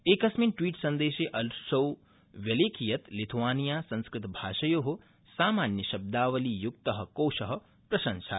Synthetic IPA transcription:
eːkɐsminʈʋiːʈsɐ̃nd̪eːʃeːʔɐlʃɐw | ʋjɐleːkʰijɐt̪lit̪ʰʋaːnijaːsɐ̃nskɾɪt̪bʱaːʃɐjoːɦo | saːmaːnjɐʃɐb̚d̪aːʋɐlijuk̚t̪ɐɦɐ̆koːʃɐɦɐ̆ | pɾɐʃɐ̃nʃa

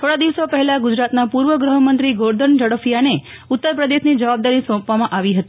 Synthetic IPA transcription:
t̪ʰoɽad̪iʋsopəɦɛlaɡud͡ʒɾat̪napuɾʋəɡɾəɦəmənt̪ɾiɡoɾd̪ʱənd͡ʒəɽofijane | ut̪ːəɾpɾəd̪eʃnid͡ʒəʋab̚d̪aɾisɔ̃pʋamãʔaʋiɦət̪i

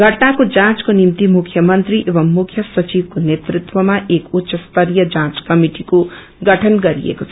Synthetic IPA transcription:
ɡʱʌʈnakod͡zãt͡skonimt̪imukʰjʌmʌnt̪ɾiʔeβʌmːukʰjʌsʌt͡ʃibkonet̪rit̪wʌmaekutːsʌst̪ʌɾijʌd͡zãt͡skʌmiʈiko | ɡʌʈʰʌnɡʌɾḭḛkot͡sʰʌ

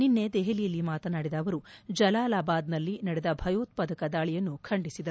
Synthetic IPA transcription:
ninːe̞d̪ɛɦelijɐlːimaːt̪ɐnaːɽid̪ɐːʋɐɾud͡ʒɐlaːlaːbaːd̪nɐlːinɐɽɛd̪ɐbʱɐjoːt̪̚pɐd̪ɐkɐd̪aːɭijɐnːukʰɐɳɖisid̪ɐɾu

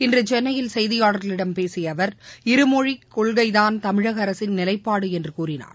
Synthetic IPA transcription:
ɪndrɯt͡ʃɛnːɐjɪlsɛjðɪjaːɽɐɾɣɐlɪɽɐmpeːsɪjɐʋɐɾɪɾɯmɔɻikːɔɭɣɐɪðaːnt̪ɐmɪɻɐɣɐɾɐsɪnnɪlɐɪpːaːɽɯɛndrɯkuːrɪna̰ːɾ

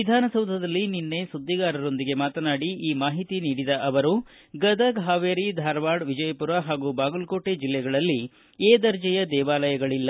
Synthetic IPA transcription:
ʋid̪ʱaːnɐsɐwd̪ʱɐd̪ɐlːininːe̞sud̪ʱːiɡaːɾɐɾo̞nd̪iɡe̞maːt̪ɐnaːɽiʔiːmaːɦit̪iniːɽid̪ɐʔɐʋɐɾu | ɡɐd̪ɐɡɦaːʋeːɾid̪ʱaːɾʋaːɽʋid͡ʒɐjɐpuɾaɦaːɡuːbaːɡulko̞ːʈe̞d͡ʒilːɛɡɐɭɐlːi | eːd̪ɐɾd͡ʒɛjɐd̪ɛːʋaːlɐjɐɡɐɭilːɐ

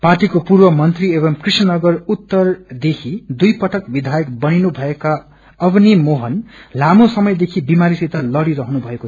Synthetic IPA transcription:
parʈikopurbʌmʌnt̪riebʌmkrisnʌnʌɡʌrut̪ːʌrd̪ekʰid̪ujpʌʈʰʌkbid̪ʱajʌkbʌninubʱʌeka | ʌbnimoɦʌnlamosʌmʌjd̪ekʰibimaɾisit̪alʌɽiɾʌɦʌnubʱʌeko

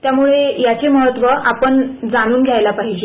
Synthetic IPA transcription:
t̪jamuɭejat͡seməɦət̪ʋəʔapəɳd͡zaɽ̃uːnɡʱjajlapaɦid͡ʑe

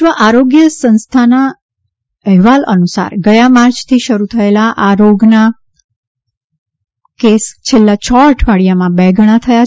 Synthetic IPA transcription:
ʋəʔaɾoɡjəsə̃nst̪ʰana | əɦʋalʔə̰nusa̰ɾɡəjamaɾt͡ʃt̪ʰiʃəɾut̪ʰəelaʔaɾoɡna | kest͡ʃʰelːat͡ʃɔʈʰʋaɽijamãbɛɡəɽ̃at̪ʰəja

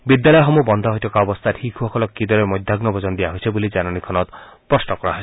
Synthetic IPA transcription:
bid̪jalɔjɔxɔmubɔnd̪ʱɔɦojtʰɔkaɔbɔst̪ʰatʰikʰuɦɔkʰɔlɔkːid̪ɔɾemɔjd̪ʱaɡnɔbʱɔzɔnd̪ijaɦojsʰebulid͡ʒananikʰɔnɔt̪pɹɔsnɔkɔɾaɦoj

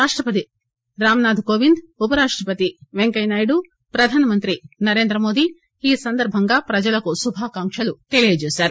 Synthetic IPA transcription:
aːʂʈɾɐpɐt̪i | ɾaːmɐnaːd̪ʱkoːʋind̪upɐɾaːʂʈɾɐpɐt̪iʋeŋkɐjnaːjɽu | pɾɐd̪ʱaːnɐmɐnt̪ɾinɐɾe̞ːnd̪ɾɐmo̞ːd̪i | iːsɐnd̪ɐɾbʱɐŋɡaːpɾɐd͡ʒɐlɐkusubʱaːkaːŋʂɐlut̪elijɐd͡ʒeːsaːɾu

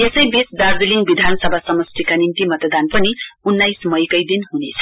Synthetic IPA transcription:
esʌjbet͡sd̪ad͡ziliŋɡbid̪ʱanʌsʌbʱasʌmʌst̪ʰikanint̪imʌt̪ʌd̪anpʌniunːajsmʌjkʌjd̪inɦunet͡sʰʌ̥

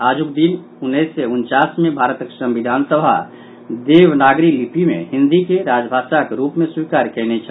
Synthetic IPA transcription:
aːd͡ʒuk̚d̪in | ʊnːesːeʊnt͡ʃaːsmẽbʱaːɾət̪əksə̃mbid̪ʱaːnsəbʱa̰ | d̪eːʋnaːɡɾiklipimḛ̃hɪ̃nd̪ikeɾaːd͡ʒbʱaːʃakeɾupmẽswikaːɾkɛːnet͡ʃʰɛ

